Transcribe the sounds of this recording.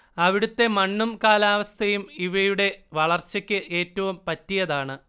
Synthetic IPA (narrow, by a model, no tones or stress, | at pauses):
ɐʋiɽut̪ːe̞mɐɳːumkaːlaːʋɐst̪ʰɐjumiʋɐjuɽe̞ʋɐɭɐrt͡ɕːɐkʲːɨʔe̞ːtːɐʋumpɐtːijɐðaːɳɨ